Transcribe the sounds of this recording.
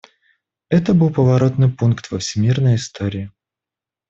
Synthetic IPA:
ɛt̪əbɨlˠpəvɐɾo̞t̪nɨjpunkt̪vəfsʲɪmʲirnəjɪst̪oɾʲɪɪ

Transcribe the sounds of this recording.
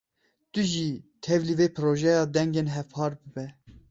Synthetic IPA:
t̪ʊʒiːt̪ʰɛvliveːpʰɨɾoːʒɛjɑːd̪ɛŋɡeːnɦɛvpʰɑːɾbɨbɛ

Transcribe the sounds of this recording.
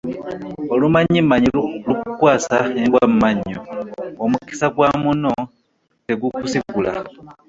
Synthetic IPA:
o̞lumaɲːimːaɲilukukwaːsaeɡwammːaɲːoːmuki̥saɡwaːmuno̞ | teɡukusikula̰

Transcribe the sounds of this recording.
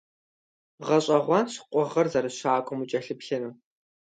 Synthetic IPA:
ʁɐɕʼɐʁʷɑnɕqʷʼɔʁɐrzarɨɕaːkʷʼɔmut͡ʃʼɐɬɨpɬɐnɨː

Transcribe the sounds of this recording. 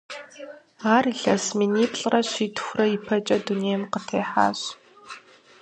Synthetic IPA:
aːriɬɐsminiːpʼɬʼrɐɕiːtʰxʷrɐipʰɐt͡ʃʼɐduneːjmqətʰeːħa̰ːɕ

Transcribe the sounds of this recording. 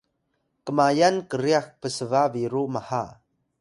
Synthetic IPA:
kəmajankəɾiax̚pəsəvaviɾumaha

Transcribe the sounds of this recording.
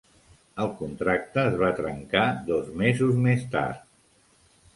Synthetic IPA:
əlˠkunt̪ɾak̚t̪əːzβat̪ɾə̰ŋkaðɔzmezuzmest̪a̰ɾt̪

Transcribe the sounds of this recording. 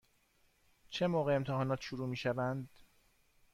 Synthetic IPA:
t͡ʃʰe̞moːɣeːmt̪ʰɛɦɒːnɒːt̪ʃuɾuːmiːʃævænd̪

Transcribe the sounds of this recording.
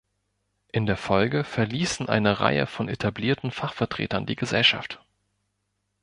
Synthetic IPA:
ʔɪndeːɐfɔlɡəfɛɐliːsn̩ʔa̰ɪnəʁa̰ɪə̰fɔnetʰabliːɐtn̩faχfɛɐtʁ̥ḛːtɐndiːɡəzɛlʃa̰ft

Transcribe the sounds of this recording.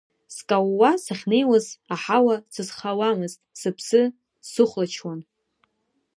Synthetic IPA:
skʼawːasaχʲnejwazaħawasɨzχawamɨztʼsɨpʰsɨ | sɨχʷlat͡ʃʰwan

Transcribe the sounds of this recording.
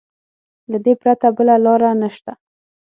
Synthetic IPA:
lad̪epɾat̪abəlalɑɾanəʃt̪a

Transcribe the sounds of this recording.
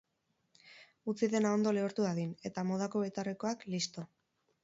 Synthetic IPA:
ut͡siðe̞nao̞nd̪o̞le̞oɾt̪uaðine̞t̪amo̞ð̞ako̞βe̞t̪areko̞aklist̪o̞

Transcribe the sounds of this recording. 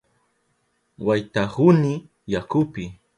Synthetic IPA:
wajt̪ahʊnɪ | jakʊpɪ

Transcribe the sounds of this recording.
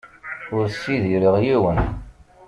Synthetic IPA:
ʊɾsːiðiɾiʁjiwən

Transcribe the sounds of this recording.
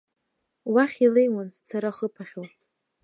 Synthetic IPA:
waχʲilejmanst͡sʰaɾaχəpʰaχʲow

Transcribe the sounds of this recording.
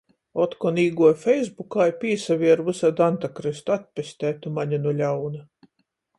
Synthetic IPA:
ɔt̪kɔniːɡuɔjfʲɛjzbukaːjpʲiːsavʲiɛɾvɨsad̪ant̪akɾɨst̪at̪̚ʲpʲesʲt̪ʲæːt̪umaɲanulʲawna

